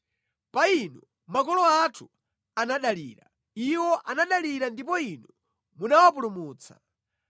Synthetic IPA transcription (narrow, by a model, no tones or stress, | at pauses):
painɔ | makɔlɔatʰu | anaɗaliɾa̰ | iwɔʔanaɗaliɾandip̬ɔinɔ | munawap̬ulumuːt͡sḁ̰